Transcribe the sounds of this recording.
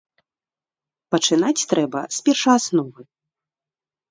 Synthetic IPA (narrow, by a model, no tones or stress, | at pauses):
pɐt͡ʂɨnat͡sʲt̪ɾʔɛbɐspʲɛrʂɐasnɔvɨ